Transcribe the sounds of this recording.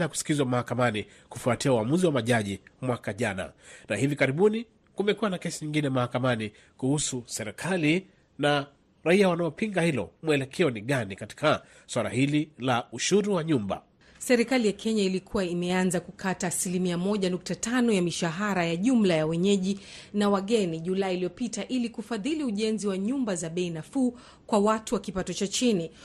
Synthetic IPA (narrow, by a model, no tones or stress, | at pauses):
jaku̥si̥kizwamahakamani | kufuatiauwamuziwamaʄaʄimwakaʄana̰nahivikaɾiɓuni | kumɛkuwanakɛsiɲiŋɡinɛmahakamani | kuhususɛɾɛkʰali | na | ɾaiawanaɔpiŋɡahilɔ̰muɛlɛkʰɛɔniɠanikati̥ka | swala̰hililauʃuɾuwaɲumba̰ | sɛɾikalijakʰɛɲailikʰuwaimɛanzakukʰataːsilimiamɔʄanuk̚tatanɔjamiʃaɦaɾajaʄum̩lajawɛɲɛʄinawaɠɛniʄulailijɔpitaʔilikufaðiliuʄɛnziwaɲumbazaɓɛinafuː | kwawatuwakipatɔt͡ʃat͡ʃini